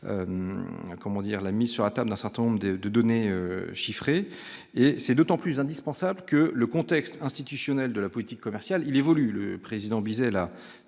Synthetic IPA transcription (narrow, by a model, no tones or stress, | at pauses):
ø̰mkɔmɑ̃d̪iʁlamizsyʁlat̪abld̪ɛ̃sɛʁt̪ɛ̃nɔ̃bʁd̪əd̪əd̪ɔneøʃifχeː | sɛd̪ot̪ɑ̃plysɛ̃d̪ispɑ̃sablkələkɔ̃t̪ɛkst̪ɛ̃st̪it̪ysjɔnɛld̪əlapɔlit̪ikːɔmɛʁsjalilevɔlyləpχezid̪ɑ̃bizɛla